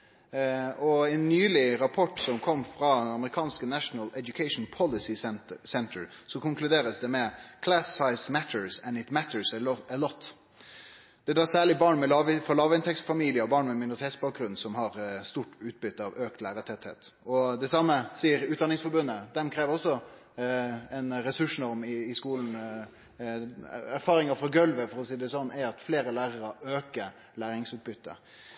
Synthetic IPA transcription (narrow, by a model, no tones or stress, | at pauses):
ɔɛnːyːlɪɾɑpʰɔʈsɔmkʰɔmːfɾɑɑməɾɪkʰɑːnskənæʂnəlɛd̪jʊkʰɛɪʂn̩pʰɔlɪsɪsɛnt̪ʰəɹ | sɔkʊŋklʉd̪eːɾəsd̪ɛmɛkʰlæssɑɪsmæt̪ʰəɹsɛnɪt̪mæt̪ʰəɹsəlɔt̪ː | d̪̥ɛd̪ɑːsæːɭɪbɑːɳmɛlɑʋfɔlɑːʋəɪnt̪ʰɛksfɑmiːlɪəɔbɑːɳmɛmɪnʊɾɪt̪eːt̪sbɑːk̚ɡɾʉnsɔmɦɑɾst̪uːʈʉːt̪̚bʏt̪ːəɑʋøːk̚t̪læːɾət̪ʰɛt̪hḛːt̪ɔd̪ɛsɑmːəsiːəɾʉːt̪d̪ɑnɪŋsfɔɾbʉnːəd̪ɛmkʰɾeːʋəɾɔsːɔ | ɛnɾɛsʉʂnɔɾmɪːskuːln̩ | æɾfɑːɾɪŋəfɾɑɡœlʋəfɔɾɔsiːd̪ɛsɔnːæɾɑt̪fleːɾəlæːɾəɾəøːkəɾ | læːɾɪŋsʉːt̪̚bʏt̪ːə̰